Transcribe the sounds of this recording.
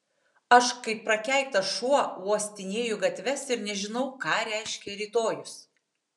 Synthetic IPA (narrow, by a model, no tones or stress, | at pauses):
ɐʃkɐɪpːɾɐkʲæˑɪk̚t̪ɐʃuɔuɔsʲt̪ʲɪnʲeːjʊɡɐt̪ʲʋʲɛsɪɾnʲɛʒʲɪnɒʊkɑːɾʲæˑɪʃʲkʲɛɾʲiːt̪oːjʊs